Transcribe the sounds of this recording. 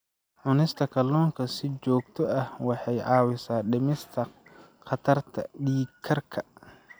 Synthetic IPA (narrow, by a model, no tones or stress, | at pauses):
ʕʊnɪst̪ʰɐkʰɐlɔːŋkʰɐsɪt͡ʃɔːɡ̚t̪ʰɔɐhwɑħɑjʕɑːwɪsaːɖɪmɪst̪ʰɐ | qɑt̪ʰɐrt̪ʰɐ̰ɗiːkʰɐrkʰɐ